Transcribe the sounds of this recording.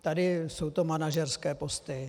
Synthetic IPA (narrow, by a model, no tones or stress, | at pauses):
t̪adɪsowt̪omanaʒɛrskɛːpo̞st̪ɪ